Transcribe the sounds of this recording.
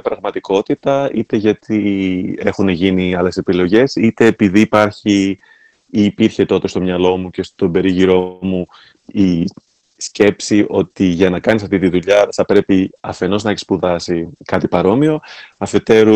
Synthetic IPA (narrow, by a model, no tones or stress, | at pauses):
pɾɐɣmɐt̪iko̞t̪it̪ɐit̪e̞ʝɐt̪ʰie̞xune̞ʝiniɐle̞se̞pilo̞ʝe̞sit̪e̞ːpiðiːpɐɾçi | iːpiɾçe̞t̪o̞t̪est̪o̞mɲɐlo̞muce̞st̪o̞be̞ɾiʝiɾo̞mu | i | sce̞psiʔo̞t̪iʝɐnɐkɐnisɐft̪it̪iðuʎɐθɐpɾe̞piɐfe̞no̞znɐeçi̥spuðɐsikɐt̪ipɐɾo̞mio̞ɐfe̞t̪e̞ɾu